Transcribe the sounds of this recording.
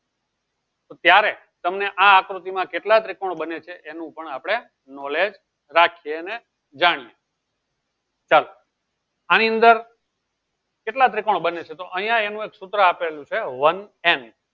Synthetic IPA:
t̪ot̪jaɾe | t̪əmneʔaːkɾut̪imãkeʈlat̪ɾekoɳbənet͡ʃʰeʔenũpəɳapɽ̃e | nɔled͡ʒ | ɾakʰijeəne | d͡ʒaɽ̃ije | t͡ʃalo | aniə̃nd̪əɾ | keʈlat̪ɾikoɳ̃bənet͡ʃʰet̪oʔəɦijãenũeksut̪ɾəapelũt͡ʃʰeʋənen

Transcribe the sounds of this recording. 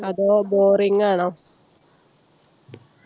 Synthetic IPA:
ɐðoːboːriŋːaːɳɐ

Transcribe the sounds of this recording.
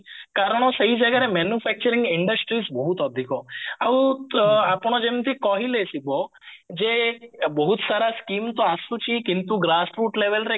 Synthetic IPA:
kaɾəɽ̃osəɦid͡ʒəɡaːɾemɛːnjufʰɛk̚t͡ʃəɾɪ̃ŋɡɪɳɖəsʈɾiːsbəɦut̪ɔd̪ʱikoaũapɳ̃od͡ʒemt̪ʰikɔɦilesibo | d͡ʒebəɦut̪saɾaskimt̪oasut͡ʃʰikɪnt̪uɡɾaːsɾuːʈleʋelɾe

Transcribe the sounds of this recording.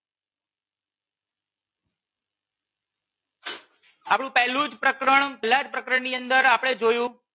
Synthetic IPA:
apɽ̃ũpɛɦlũd͡ʒpɾəkɾəɳpɛɦlad͡ʒpɾəkɾəɳniənd̪əɾapɽ̃ed͡ʒojũ

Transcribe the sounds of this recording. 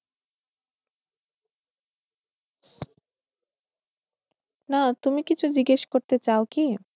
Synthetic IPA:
nat̪umikit͡ɕʰud͡ʑiɡeʃkoɾt̪et͡ɕaoki

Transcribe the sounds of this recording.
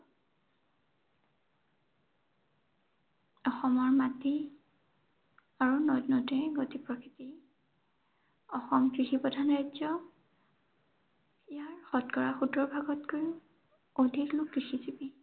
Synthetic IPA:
ɔxɔmɔɹmatːi | aɹunɔtnɔtɛɡotipɹɔkiti | ɔxɔmkɹixipɔdʱanɹajzɔ | ijaɹxɔtkɔɹaxudɹɔɹbʱaɡɔtkoj | odʱiklʊkːɹixizibi

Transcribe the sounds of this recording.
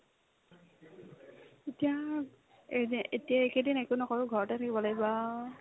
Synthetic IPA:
etija | etijaekedinɛkunɔkɔɹʊɡʱɔɹɔtatʰakibɔlaɡiba

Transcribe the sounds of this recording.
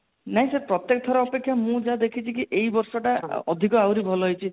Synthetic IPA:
naɦĩsepɾɔt̪jek̚t̪ʰɔɾɔːpekʰːjamũd͡ʒad̪ekʰit͡ʃʰikiʔejbɔɾsɔʈaɔd̪ʱikɔawɾibʱɔlɔɦojt͡ʃʰi

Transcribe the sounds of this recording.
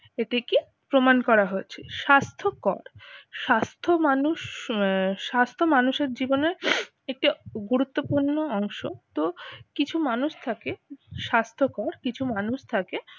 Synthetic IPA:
eʈeki | pɾomankɔɾaɦoet͡ɕʰeʃast̪ʰokɔ̰ɾʃast̪ʰomanuʃ | ʃast̪ʰomanuʃeɾd͡ʑiboneɾ | ek̚ʈiɡuɾut̪ːopuɾnːoɔŋʃot̪okit͡ɕʰumanuʃt̪ʰakeʃast̪ʰokɔɾkit͡ɕʰumanuʃt̪ʰake

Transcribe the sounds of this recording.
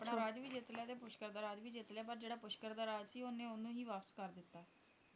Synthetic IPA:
pɳaːɾaːd͡ʒʋiːd͡ʒɪt̪lejaːt̪eːpʊʃkəɾd̪aːɾaːd͡ʒʋiːd͡ʒɪt̪lɪaːpəɾd͡ʒeːɽaːpʊʃkəɾd̪aːɾaːd͡ʒsiːʊnẽːʊnũːɦiːʋaːpəskəɾd̪ɪt̪ːaː

